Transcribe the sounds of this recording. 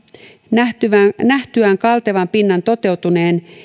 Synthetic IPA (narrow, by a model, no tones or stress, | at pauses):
næt̪yænæht̪yæŋkɑlt̪eʋɑmpinːɑnt̪o̞t̪e̞wt̪une̞ːn